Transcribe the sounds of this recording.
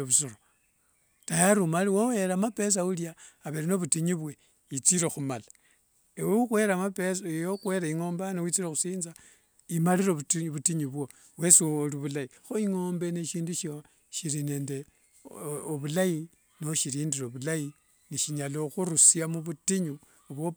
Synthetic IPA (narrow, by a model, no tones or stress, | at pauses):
oβusoɾo | tajaɾumaliwowe̞ɾamape̞s̬auljaːβeɾino̞βutiɲiβwe | it͡siɾexumala | ewexwe̞ɾamapesjoxwe̞ɾaiŋo̞ːmbanewit͡siɾexusiːnza | imaliɾoβutiɲuβwo | we̞sioliβulaixoiŋoːmbeneʃiːnduʃ | ʃiɾine̞ːnde̞ | oβulai | niʃiɾiːndiɾoβulai | niʃiɲaloxuɾusiamuβutiɲu | oβwo